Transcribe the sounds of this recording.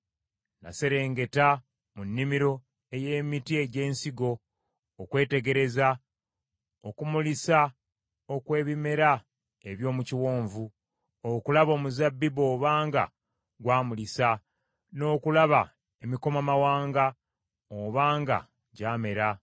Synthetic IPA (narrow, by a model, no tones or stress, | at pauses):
na̰se̞ɾe̞ːŋɡe̞ta | munːimiɾo̞ | e̞je̞ːmitie̞ɟe̞ːnsiɡo̞ː | kwe̞ːte̞ɡe̞ɾe̞za | okumulisa | o̞kwe̞ːβime̞ɾa | eβjo̞ːmuciwo̞ːɱvu | okulaβo̞ːmuzabːibo̞ːβaːŋɡa̰ | ɡwaːmulisa | no̞ːkulaβa | emiko̞mamawaːŋɡa | oβaːŋɡa̰ | ɟaːme̞ɾa